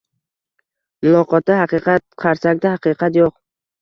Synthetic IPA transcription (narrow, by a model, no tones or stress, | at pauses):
mʊlˠɒqɒt̪ːahɑqɨqɑt̪̚qʰɑɾsak̚ʲd̪ahɑqɨqʰɑt̪joq